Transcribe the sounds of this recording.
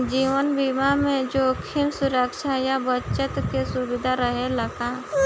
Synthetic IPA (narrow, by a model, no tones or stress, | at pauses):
d͡ʒiːʋənbimamẽd͡ʒokʰɪmsʊɾəkʃajabət͡ʃət̪kesʊbɪd̪ʱaɾəɦeləɡa